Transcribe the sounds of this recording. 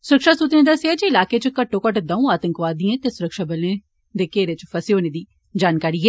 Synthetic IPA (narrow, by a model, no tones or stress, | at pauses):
sʊɾəkʃaːsuːt̪nẽːd̪əseaːt͡ʃiɪlaːkeːt͡ʃəkəʈːõːkəʈd̪aːũːaːt̪əŋkʋaːd̪ɪãːt̪eːsʊɾəkʃaːbəlẽː | d̪eːkeːɾet͡ʃpʰəseoːneːd̪iː | d͡ʒaːnkaːɾiːɡɛː